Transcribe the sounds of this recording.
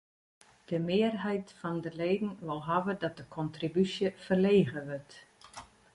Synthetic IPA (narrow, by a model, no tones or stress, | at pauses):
d̥əmɪːərɦɛjtfɔndəleːdn̩ʋɔlˠɦavədɔt̚d̥əkʰɔntribysjəfərleːɣəʋɵrt